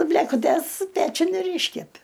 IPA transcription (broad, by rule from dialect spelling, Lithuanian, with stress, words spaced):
bʲlʲeːkʊˈtʲeːs ˈpʲæːt͡ʃʲʊn ɪr ˈiːʃʲkʲɛpʲɪ